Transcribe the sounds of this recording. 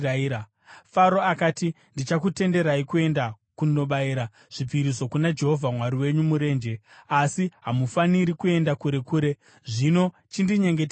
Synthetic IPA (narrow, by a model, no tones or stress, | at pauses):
aia | faɾo̞akaːti | ndit͡ʃakute̞nde̞ɾaikue̞nda | kuno̞ɓaiɾa | ʐ̥ipiɾiso̞kunad͡ʒe̞ɦo̞vʱamwaɾiwe̞ɲumuɾe̞ːnd͡ʒe̞asiɦamufaniɾikue̞ndakuɾe̞kuːɾe̞ | ʐino̞ | t͡ʃindiɲe̞ŋɡet